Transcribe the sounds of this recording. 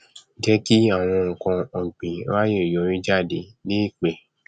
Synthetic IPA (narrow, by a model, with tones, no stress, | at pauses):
d͡ʒɛ˦ki˦a˦˨w̃ɔ̃˧ŋ̩˨kã˧ɔ˧ɡ͡bĩ˨˦la˦je˦˨jɔ˨˦ɾ̃ĩ˦d͡ʒa˦˨de˨˦le˦i˦˨k͡pe˧˨